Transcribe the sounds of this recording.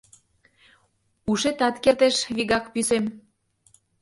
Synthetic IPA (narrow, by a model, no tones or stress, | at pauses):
uʃet̪ɑt̪kert̪eʃβiɣɑkpysem